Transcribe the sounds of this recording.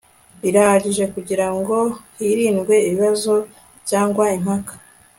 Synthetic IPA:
iɾaaɟiʒe̞kuɟiɾaŋɡo̞hiɾiːnɡwe̞iβiβazo̞ | βjaːŋɡwaim̥hakḁ

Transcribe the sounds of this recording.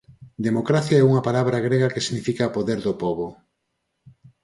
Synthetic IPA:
d̪emokɾaθjaɛuŋɐpalaβɾaɣɾeɣakesiɣnifikapoðeɾðʊpɔβo

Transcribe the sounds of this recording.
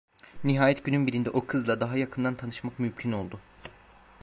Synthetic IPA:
niɦaːjɛt̪ɟynynbiɾind̪ɛʔo̞kʰɯzlˠad̪aɦajakʰɯnd̪ant̪ʰanɯʃmakmymcʰino̞lˠd̪ʊ

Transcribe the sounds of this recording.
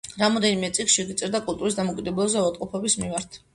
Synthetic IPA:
ɾamɔd̪ɛnimɛt̪sʼiksʃɛɡit̪sʼiɾd̪akʼulˠt̪ʼuɾis̬d̪amɔkʼid̪ɛbulˠɔzɛuat̪ʼqʼɔpʰɔbismimaɾt̪ʰ

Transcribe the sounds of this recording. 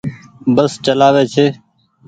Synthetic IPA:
ɓəst͡ʃəlaːʋeːt͡ʃʰeː

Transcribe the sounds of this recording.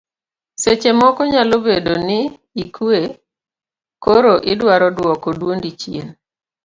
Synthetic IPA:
set͡ʃemɔkɔɲalobedonɪ | ikʰue | koɾoʔɪdwaɾɔdwɔkɔdwondit͡ʃjen

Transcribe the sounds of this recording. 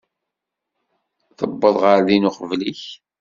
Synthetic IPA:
θəbːəðˤʁəɾðinʊqvliç

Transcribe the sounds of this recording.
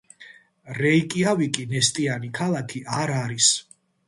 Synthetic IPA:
ɾɛikʼiavikʼinɛst̪ʼianikʰalˠakʰiʔaɾaɾis

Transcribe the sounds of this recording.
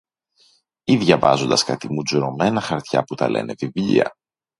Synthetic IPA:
iðʝɐvɐzo̞nd̪ɐskɐt̪imud͡zuɾo̞me̞nɐxɐɾt̪çɐ̰put̪ɐ̰lʔe̞̰ne̞vivʎḭɐ̰

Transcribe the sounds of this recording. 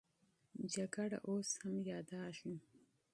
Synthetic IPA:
d͡ʒaɡaɽa̰ʔoshamjɑːd̪ɑːʃu

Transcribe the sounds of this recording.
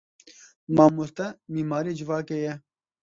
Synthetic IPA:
mãːmust̪ɐmiːmaːɾid͡ʑiʋaːkeje

